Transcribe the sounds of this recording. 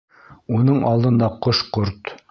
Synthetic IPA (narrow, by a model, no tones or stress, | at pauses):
unɤɴʔɑlˠd̪ɤ̆nd̪ɑqoʃqoɾt̪